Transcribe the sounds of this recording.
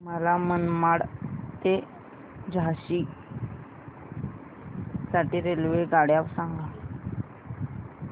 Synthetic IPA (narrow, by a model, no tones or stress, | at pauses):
məlamənmaɽt̪e | d͡ʑaɕi | saʈiɾelʋeɡaɽjaʋsãŋɡa